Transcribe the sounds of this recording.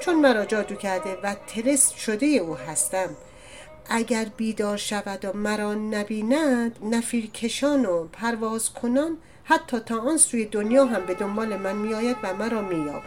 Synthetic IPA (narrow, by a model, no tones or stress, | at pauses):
t͡ʃʰonmæɾɒːd͡ʒɒːd̪uːcʰæɾd̪e̞væt̪ʰe̞ɾest̪ʃo̞d̪e̞je̞uːɦæst̪æm | ʔæɟʲæɾbiːd̪ɒːɾʃævæd̪omæɾɒːnæbiːnæd̪̥næfiːɾkʰe̞ʃɒːnopʰæɾvɒːzkʰo̞nɒːn | hæt̪ʰːɒːt̪ʰɒːʔɒːnsuːjed̪onjɒːɦæmbe̞d̪ombɒːle̞mænmiːjɒːjæd̪væmæɾɒːmiːjɒ̰ːb